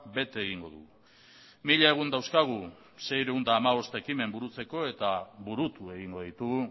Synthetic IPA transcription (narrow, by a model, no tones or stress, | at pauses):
be̞t̪eːɣiŋɡo̞ðṵɣu | miʎaeɣ̞und̪awskaɣ̞u | se̞jɾeund̪aːmaβo̞st̪e̞kime̞mbuɾut͡se̞ko̞e̞t̪aβuɾut̪ue̞ɣiŋɡo̞ðit̪uɣu